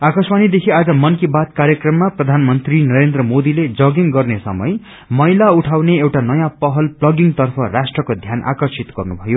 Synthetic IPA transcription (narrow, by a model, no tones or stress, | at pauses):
akʌsmanid̪ekʰiad͡zʌmʌnkibat̪̚kaɾjʌkrʌmːaprʌd̪ʱanmʌnt̪rinʌɾend̪rʌmod̪iled͡zʌɡiŋɡʌrnesʌ̰mʌ̰j | mʌjlauʈʰawneewʈanʌjãpʌɦʌlplʌɡiŋt̪ʌrpʰʌrasʈrʌkod̪ʱjanʔa̰kʌrsit̪ɡʌrnubʱʌjo